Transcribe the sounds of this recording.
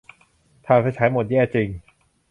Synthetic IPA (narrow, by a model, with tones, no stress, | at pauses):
t̪ʰaː˨˩pʰa˧jt͡ɕʰaː˩˦˥jmo˨˩t̪̚jɛː˥˩t͡ɕi˧ŋ